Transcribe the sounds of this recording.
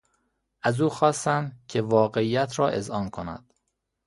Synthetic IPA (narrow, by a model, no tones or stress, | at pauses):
ʔæzuːxɒːst̪æncʰevɒːɣeiːjæt̪ʰɾɒːʔe̞zɒːnkʰonæ̰d̪̥